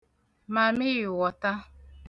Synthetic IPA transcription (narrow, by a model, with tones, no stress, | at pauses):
ma˨mɪ˦ɣɪ˨wɔ˨ta˦